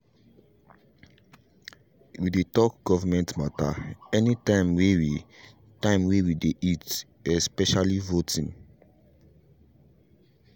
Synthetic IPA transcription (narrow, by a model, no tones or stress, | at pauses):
widetɔk̚ɡ̥ɔvamɛ̃ntmataɛnitãɪ̃mwewi | tãɪ̃mwewideʔit | ɛspɛʃalivotʰĩn